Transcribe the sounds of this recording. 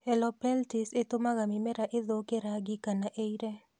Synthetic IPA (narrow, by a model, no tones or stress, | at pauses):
ɛlɔpɛltɪset̪omaɣamɪmɛɾaʔɪðokeɾaɡɪkanaʔeiɾɛ